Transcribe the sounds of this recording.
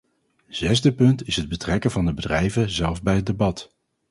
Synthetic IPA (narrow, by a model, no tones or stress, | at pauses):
z̥ɛzdəpɵntɪsɦəd̚bətrɛkənvɑndəbədrɛjvəzɛlˠvbɛjɦət̚debɑt